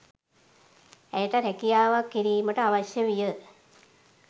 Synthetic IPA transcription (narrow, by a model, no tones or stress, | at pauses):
æjəʈəɾækijaːʋakːiɾiːməʈəaʋaɕjəʋijə